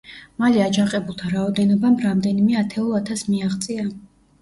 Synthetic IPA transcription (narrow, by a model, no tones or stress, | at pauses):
maliad͡ʒaqʼɛbulˠt̪ʰaɾaɔd̪ɛnɔbamɾamd̪ɛnimɛat̪ʰɛulˠat̪ʰasmiaʁt̪sʼia